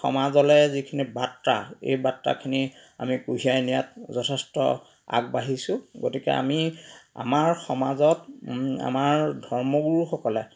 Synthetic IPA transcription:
xɔ̰mazɔlɛzikʰinibatɹa̰ḛjbatɹa̰kʰinia̰mikuɦiajnijatzɔtʰɛstɔ̰ | a̰ɡ̚baɦisʊ̃ɡotikɛ̰a̰mia̰maɹxɔmazɔta̰maɹdʱɔɹmɔɡuɹxɔkɔlɛ

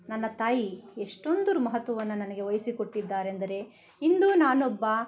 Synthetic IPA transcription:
nɐnːɐt̪aːjieʂʈo̞nd̪uɾumɐɦɐt̪ːʋɐʋɐnːunɐnɐɡe̞ʋɐjsiko̞ʈːid̪ːaːɾend̪ɐɾe̞ | ind̪uːnaːnobːɐ

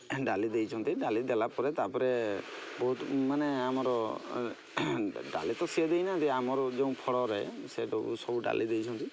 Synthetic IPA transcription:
ɖalid̪ejt͡ʃʰɔnt̪iɖalid̪ɛlapɔɾɛt̪apɔɾebɔɦut̪maneamɔɾɔ | ɖa̰lit̪ɔsied̪ejnat̪iamɔɾɔd͡ʒeũpʰɔɽɔɾɛseɖɔbṵsɔbuɖa̰lʔid̪ejt͡ʃʰɔnt̪i

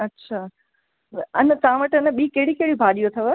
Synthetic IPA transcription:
ɐtːɕʰaː | ənət̪ãːʋəʈənəɓiːkeɦɽikeɦɽibʱaːɗijot̪ʰɐʋə

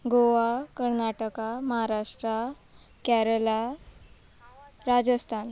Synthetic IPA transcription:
ɡoʋakəɾnaʈəkaməɦaɾaʂʈɾa | kæɾəla | ɾad͡ʑəst̪ʰan

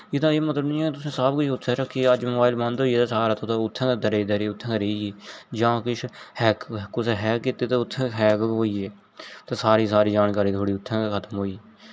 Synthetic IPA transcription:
jet̪ãːeːmət̪ləbnĩːɛːkt̪ʊsẽːsaːb̚kʊt͡ʃʰʊt̪ʰːɛ̃ːɾəkʰːiəd͡ʒmoːbaːɪlbə̃nd̪oːieːt̪aːsaːɾaːt̪ʰoːt̪ːʊt̪ʰːẽːd̪əɾeːd̪əɾeːʊt̪ʰːɛ̃ːəɾeːieːd͡ʒãːkɪt͡ʃʰhɛːkkʊsɦɛːkɪt̪ːeːt̪aʊt̪ʰːẽːɦɛːkɦoːiːeː | t̪aːsaːɾiːsaːɾiːd͡ʒaːnkaːɾiːt̪ʰoːɽiːʊt̪ʰːɛ̃ːkʰət̪əmɦoːiːeː

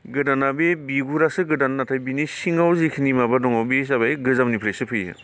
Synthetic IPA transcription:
ɡɯdanabebiɡuɾasɯɡɯdanːatʰajbinisiŋawzikʰinimabadɔŋawbisabajɡɯzamnipʰɾesɯpʰɯjɯ̰

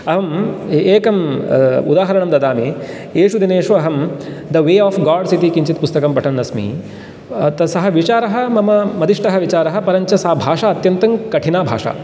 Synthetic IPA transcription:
ɐɦɐmeːkɐmṵd̪aːɦɐɾɐɳɐmd̪ɐd̪aːmi | eːʂud̪ineːʂɐɐɦɐmd̪ɐʋeːɔːfɡaːɖsit̪ikĩɲt͡ʃit̪pust̪ɐkɐmpɐʈʰɐnːɐsmḭ | t̪ɐsɐɦɐʋit͡ʃaːɾɐɦɐ̆mɐmɐmɐd̪iʂʈɐɦɐʋit͡ʃaːɾɐɦɐ̆pɐɾɐɲt͡ʃɐsɐɦɐbʱaːʂaːɐt̪jɐnt̪ɐŋkɐʈʰinaːbʱa̰ːʂa̰ː

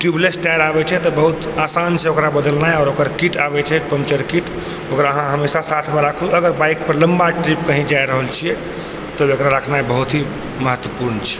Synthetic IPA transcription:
ʈjublesʈajɾabɛt͡ʃʰɛt̪ɔbəɦut̪ | asanseokɾabəd̪əlnaeɔːɾokəɾkiʈabɛt͡ʃʰɛpəmt͡ʃəɾkiʈ | okɾaəɦãɦəmesasat̪ʰmeɾakʰuəɡəɾbaik̚pəɾləmbaʈɾip̚kəɦĩd͡ʒajɾəɦəlt͡ʃʰijɛ | t̪ɔekɾaɾəkʰnaebəɦut̪ɦi | məɦət̪ːwəpuɾnt͡ʃʰɛ̥

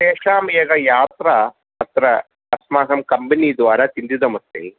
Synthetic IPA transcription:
ʃeːʂaːmjɐɡɐjaːt̪ɾɐ | ɐt̪ɾɐː | smaːɦɐmkɐmbɐnid̪ʋaːɾɐt̪ind̪id̪ɐmɐst̪ḛ

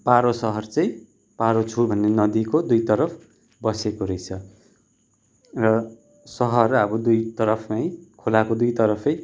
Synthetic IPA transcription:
paɾosʌɦʌrt͡sʌĩ | paɾot͡sʰubʱʌnːenʌd̪ikod̪ujt̪ʌɾʌpʰ | bʌsekoɾʌjt͡sʰʌ | rʌ | sʌɦʌrʌbʌd̪ujt̪ʌɾʌpʰmajkʰolakod̪ujt̪ʌɾʌpʰʌj

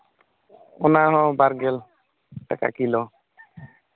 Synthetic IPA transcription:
ɔnaɦɔ̃baɾɡel | ʈaka̰kilɔ

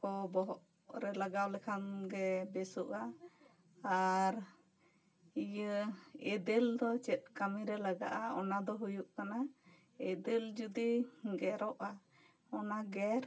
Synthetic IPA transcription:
kɔbɔɦɔʔ | ɾɛlaɡawlɛkʰanɡɛbɛsuʔa | aɾ | ijəɛd̪ɛld̪ɔt͡ʃɛt̪̚kamiɾɛlaɡa̰ʔaɔ̰nad̪ɔɦujuʔkana | ɛd̪ɛld͡ʒud̪iɡɛɾɔʔa | ɔnaɡɛɾ

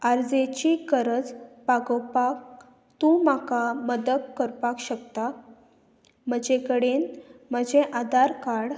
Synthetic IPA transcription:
aɾd͡zet͡ɕikəɾəd͡zpaɡəwpak̚ | t̪ũmakaməd̪ək̪kəɾpakɕəkt̪a | m̤əd͡ʑekəɽenməd͡ʑeʔad̪aɾkaɽ

